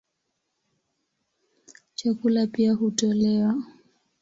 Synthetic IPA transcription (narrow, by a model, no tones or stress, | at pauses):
t͡ʃakulapiahutɔlɛwa